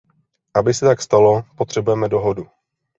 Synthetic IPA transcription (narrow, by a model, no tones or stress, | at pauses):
ʔabɪsɛt̪akst̪alo̞po̞t̪r̝̥ɛbujɛmɛdo̞ɦo̞du